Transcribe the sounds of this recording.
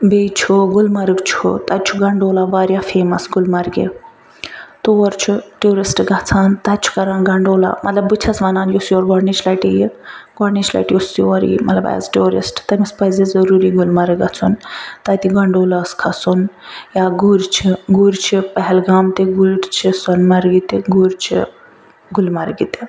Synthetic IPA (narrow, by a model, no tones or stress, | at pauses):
bet͡ʃʰoɡulmɐɾɨkt͡ʃʰo̰t̪at͡ʃʰuɡɐɳɖoːlaʋaːɾjafeːmɐsɡulmɐɾɡḛ | t̪oʋɐɾt͡ʃʰuʈuɾisʈɡat͡sʰaːnt̪at͡ʃʰu̥kɐɾaːnɡɐɳɖoːla̰mʔɐ̰t̪lɐbbɨt͡ʃʰɐsʋɐnaːnjosjuɔɾɡɔɽnit͡ʃʰlaʈijiɡɔɽnit͡ʃla̰ʈjosiʋəɾḭmɐt̪laba̰ja̰t͡sʈoɾḭsʈt̪əmispəjd͡zed͡zəɾuɾiɡulmaɾɡat͡sʰunt̪ajt̪iɡaɳɖowlaːskʰat͡sunjaɡuɾt͡ɕʰiɡuɾt͡ɕʰepəɦɛlɡamt̪eɡuɾt͡ɕʰesɔnmaɾɡit̪eɡuɾt͡ɕʰḭ | ɡulmaɾɡit̪e